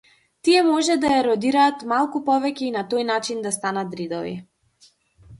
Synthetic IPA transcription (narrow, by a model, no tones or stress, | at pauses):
t̪iɛmɔʒɛd̪ajaɾɔd̪iɾaːt̪malˠkupɔvɛcʲɛinat̪ɔjnat͡ʃind̪ast̪anat̪ɾid̪ɔvḭ